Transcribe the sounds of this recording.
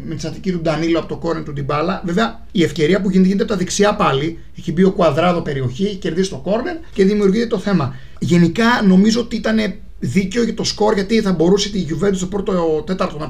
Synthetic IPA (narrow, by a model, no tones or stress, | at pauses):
met̪isɐt̪icit̪ud̪ɐniloɐpot̪o̞ko̞ɾneɾt̪ud̪ibɐlɐve̞veɐ | iefce̞ɾiɐpuʝineint̪eɐpot̪ɐðeksiɐpɐli | eçibio̞kuɐðɾɐðo̞pe̞ɾio̞çieçice̞ɾðisist̪o̞ko̞ɾneɾce̞ðimiuɾʝit̪et̪oθe̞mɐ | ʝe̞nikɐno̞mizo̞ot̪iit̪ɐne̞ | ðice̞o̞ʝɐt̪o̞sko̞ɾʝɐt̪iθɐbo̞ɾuset̪iʝuve̞nt̪ust̪opɾo̞t̪ot̪e̞t̪ɐɾt̪onɐ